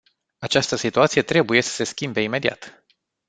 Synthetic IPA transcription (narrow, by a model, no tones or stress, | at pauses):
at͡ʃast̪əsit̪uat̪sije̞t̪ɾe̞buje̞sə̥se̞skʲimbe̞ime̞d̪ia̰t̪